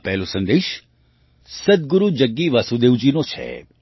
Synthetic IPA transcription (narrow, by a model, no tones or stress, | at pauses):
pɛɦlõsə̃nd̪eːʃ | sɐd̪̚ɡʊɾud͡ʒəɡːiʋɐsud̪eːud͡ʒinot͡ʃʰḛ